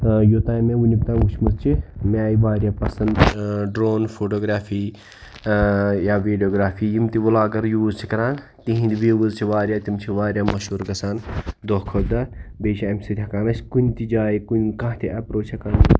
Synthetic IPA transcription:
jot̪aːjmẽunʲipʲt̪ãːɡut͡ʃʰmust͡ʃʰimʲaːjiʋaːɾjaːpɐsɐnd̪ɖɾoːnfoːʈoːɡɾaːfʰiː | jaːʋiːɖijoːɡɾaːfiːjimt̪iʋulaːɡɐɾjuːzt͡ʃʰikɐɾãːn | t̪iɦĩnd̪iʋiʋuzt͡ʃʰiʋaːɾʲjaːt̪imt͡ʃʰiʋaːɾʲjaːmɐʃuːɾɡɐsaːnd̪oɦkʰod̪ɐbeːʃiɐmʲsɐd̪ʲɐkaːnɐskunʲt̪id͡ʒaːikunʲkãɦt̪ʰiʔɐpɾoːt͡ʃʰɐkaːn

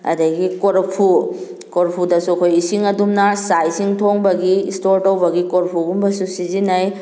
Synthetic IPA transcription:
ɐ̰dɐɡikoɾpʰu | koɾpʰudɐsukʰojisiŋɐdumnasajsiŋtʰoŋbɐɡiːstoɾtɐwbɐɡikoɾpʰuɡumbɐsusizinaj

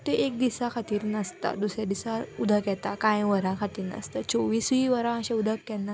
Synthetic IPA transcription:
t̪eʔek̚d̪isakʰat̪iːɾnəst̪a̰d̪usɾjad̪isaud̪ʱəkjɛt̪akãjʋəɾãkʰat̪iːɾnə̰st̪at͡soʋiːsʋiʋəɾãəɕɛ̃ud̪ʱəkːɛnːa

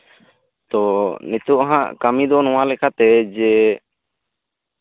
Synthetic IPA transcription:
t̪ɔnit̪uʔɦã̰ʔkamid̪ɔnɔwalɛkat̪ɛd͡ʒɛ

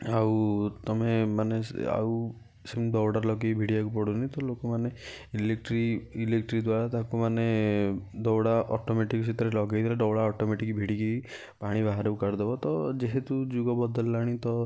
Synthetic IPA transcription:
awt̪ɔmemanea̰w | simɖɔwɽaɾlɔɡebʱiɽijakupɔɽunit̪ɔlokɔmane | ilekʈɾiilekʈɾid̪waɾat̪akumane | d̪ɔwɽaʔɔʈomeʈikɔsit̪ɔɾelɔɡajt̪ʰilaɖɔwɽaɔʈomeʈikbʱiɽiki | paɽ̃ibaɦaɾɔukaɾd̪ebɔt̪ɔd͡ʒeɦet̪ud͡ʒuɡɔbɔd̪ɔlːaɽ̃it̪ɔ

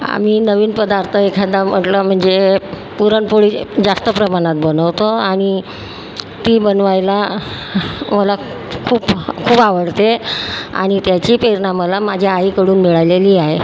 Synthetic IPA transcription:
a̰m̤iːnəʋiːnpəd̪aɾt̪ʰəekʰad̪am̤əʈləm̤əɳd͡ze | puɾəɳpoɭiːd͡zast̪əpɾəmaɽ̃at̪̚bənəʋt̪oaɽ̃i | t̪iːbənʋajla | məla | kʰuːpkʰuːpaʋəɽt̪ea̰ɽ̃it̪jat͡ɕiːpɾeɾɳaməlamad͡ʑʱjaaikəɽuːnmiɭajleliːaɦe

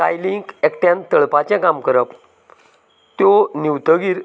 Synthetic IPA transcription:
ka̰jliŋkekʈjãnt̪əɭpat͡ɕjãkamkəɾəp | t̪joniwt̪əɡiːɾ

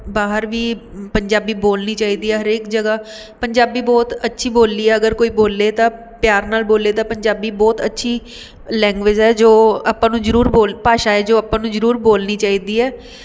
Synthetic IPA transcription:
baːɦəɾʋiːpəɲd͡ʒaːbiːboːlniːt͡ʃaːiːd̪iːɛːɦəɾeːkd͡ʒəɡaː | pəɲd͡ʒaːbiːbɔːt̪ətːʃʰiːboːlːiːɛːəɡəɾkoːiːboːlːeːt̪ãː | pjaːɾnaːlboːleːt̪ãːpəɲd͡ʒaːbiːbɔːt̪ətːʃʰiː | lɛ̃ːŋɡʋɪd͡ʒɛːd͡ʒoːaːpãːnũːzəɾuːɾboːlpaːʃaːɛːd͡ʒoːaːpãːnũːzəɾuːɾboːlniːt͡ʃaːiːd̪iːɛː

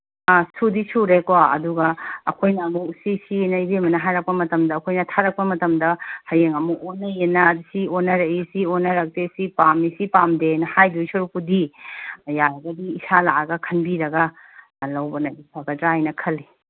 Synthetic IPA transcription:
asudisuɾekoɐ̰duɡɐ̰ːkʰojnɐːmusisinɐibemɐnɐɦajɾɐk̚pɐmɐtɐmdɐːkʰojnɐtʰaɾɐk̚pɐmɐtɐmdɐhɐjeŋɐmuonɐjenɐdusionːɐɾɐisionːɐɾɐk̚tesipamisipamdenɐhajdujsɐɾukpudi | jaɾɐɡɐdiːsalaʔɐɡɐkʰɐnbiɾɐɡɐ | lɐwbɐnɐisaɡɐdɾajnɐkʰɐli

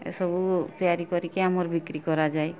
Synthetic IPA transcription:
sɔbut̪iaɾikɔɾikeamɔɾbʱikɾikɔɾad͡ʒae

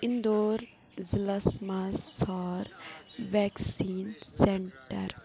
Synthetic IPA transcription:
ɪnd̪oːɾ | zɪlasmast͡sʰaːɾ | ʋɛːksiːnseɳʈɐ̰ɾ

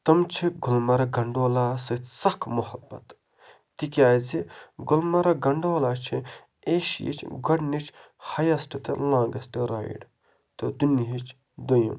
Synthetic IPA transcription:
t̪ɐmt͡ʃʰiɡulmɐɾɐɡɐɳɖoːlaːsɐsɐkʰmuhɐbːɐ̰t̪ | t̪ikʲaːziɡulmɐɾɐɡɐɳɖoːlaːt͡ʃʰi | eːʃjḭt͡ʃʰɡɐɽnit͡ʃʰ | hɐjɐsʈit̪ɨ̰lãːŋɡɐsʈiɾa̰ːjḭɖ | t̪ɐd̪uniɦit͡ʃʰ | d̪ujɐ̰m

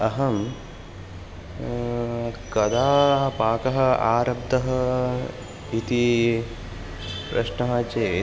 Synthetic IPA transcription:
ɐɦɐm | kɐd̪aːpaːkɐɦɐ̆a̰ːɾɐb̚d̪ʱɐɦɐ | it̪i | pɾɐ̰ʃnɐɦɐt͡ʃeː

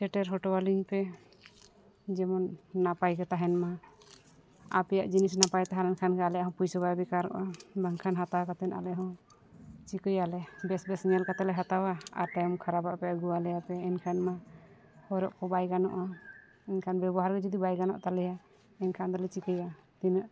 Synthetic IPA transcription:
sɛʈɛɾɦɔʈɔwaliɲpɛ | d͡ʒɛmɔnːapajkɛt̪aɦɛnma | a̰pɛjaʔd͡ʒinisnapajt̪ɛɦaɾɛnkʰankɛalɛʔaɦɔ̃pujsɔbajbɛkaɾɔ̰ʔabaŋkʰanɦat̪awakat̪ɛna̰lɛʔɦɔ̃ | t͡ʃikəjalɛbɛsbɛsɲɛlkat̪ɛlɛɦat̪awaa̰ɾt̪ɛjmkʰaɾabaʔpɛaɡuwalɛjapɛɛnkʰanma | hɔɾɔʔkɔbajɡanɔ̰ʔa | ɛɲkʰanbɛbɔɦaɾɡɛd͡ʒɔd̪ibajɡanɔ̰ʔt̪alɛja | ɛnkʰand̪ɔlɛt͡ʃikəjat̪inəʔ

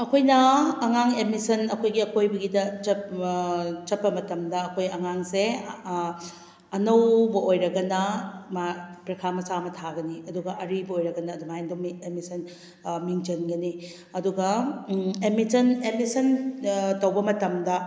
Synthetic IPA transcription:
ɐkʰojnɐːŋaŋemisɐnɐkʰojɡiɐkʰojbɐɡidɐt͡ʃɐp | t͡ʃɐt̚pːɐmɐtɐmdɐːkʰojɐŋaŋse | ɐnɐwbɐʔojɾɐɡɐnɐmapɾɐkʰamɐsamɐtʰaɡɐniɐduɡɐʔɐɾibɐojɾɐɡɐnɐːdumajndumiemisɐn | miŋd͡ʒɐnɡɐni | ɐduɡɐ | emisɐnemisɐntɐwbɐmɐtɐmdɐ

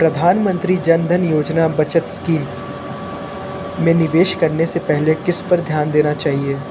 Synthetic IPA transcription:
pɾɐd̪ʱaːnmə̃nt̪ɾid͡ʒɐnd̪ʱənjoːd͡ʒnabɐt͡ʃət̪skiːm | ẽnɪʋeːʃkɐɾnesepɛɦlekɪspɐɾd̪ʱjaːnd̪eːnat͡ʃaːɦieː

